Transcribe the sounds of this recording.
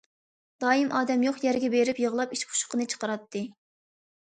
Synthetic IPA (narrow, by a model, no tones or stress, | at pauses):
d̪̥ɑːimʔɑːd̪ɛmjoχjɛɾɡʲɛbeɾɪpjəʁlˠɑpiʃpʰu̥ʃqənɨt͡ʃʰə̥qəɾɑt̪ʰːɨ